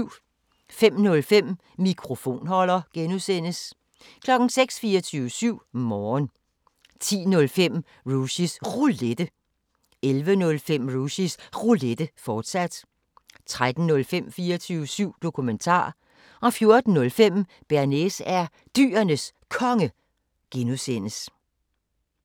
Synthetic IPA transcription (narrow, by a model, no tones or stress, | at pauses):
fem̰nɔ̽lfem̰ | mikʰʁo̝fo̝̰ːnhɒ̽l̰ɐɡ̥enusen̰əs | kʰlɒ̽ɡ̥n̩seɡ̥sfiːɐt͡sʰyːʊəsyʊ̰mɒːn | t͡sʰḭːnɔ̽lfem̰ | ʁusisʁuled̥ə | elʋənɔ̽lfem̰ʁuɕisʁuled̥əfɒːd̥sæd̥ | t͡sʰʁad̥n̩nɔ̽lfem̰fiːɐt͡sʰyːʊəsyʊ̰d̥o̝kʰument͡sʰɑ̰̈ː | ʔɒ̽fjo̝ɐd̥n̩ːɔ̽lfem̰ | b̥æɐnesæɐ | d̥y̰ːɐnəskʰɒ̽ŋə | ɡ̥enusen̰əs